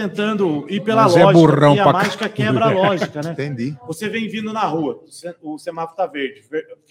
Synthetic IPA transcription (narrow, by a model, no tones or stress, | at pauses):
t̪ẽnt̪ɐ̃nd̪ʊipelɐlseɛʒburɐ̃w̃apɐmaʒikɐkɛbɾɐalɔʒikɐnɛ̃t̪ẽd͡ʒ̪ivosevẽj̃vĩnd̪ʊnɐɦuɐseʊsemat̪ʊ̥t̪aveɾd͡ʒɪveɾ